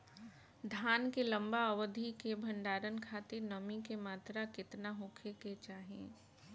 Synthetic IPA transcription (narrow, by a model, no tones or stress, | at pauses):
d̪ʱaːnkelɐ̃mbaɐwəd̪ʱikebʱə̃ɳɖaːɾənkʰaːt̪ɪɾnɐmikemaːt̪ɾakɪt̪naɦʊ̃kʰeket͡ʃaːɦḛ̃ː